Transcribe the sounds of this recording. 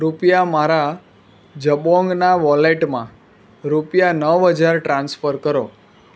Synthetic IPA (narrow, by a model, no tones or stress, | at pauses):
ɾupjamaɾa | d͡ʒəbɔ̃ŋɡnaʋɔleʈmã | ɾupjanəʋɦəd͡ʒaɾʈɾãnsfəɾkəɾo